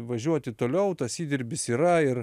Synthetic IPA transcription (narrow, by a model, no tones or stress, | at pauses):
ʋɐʒʲuɔt̪ʲɪt̪oːlʲɛʊt̪ɐsiːd̪ʲɪɾʲbʲɪsiːɾɐɪr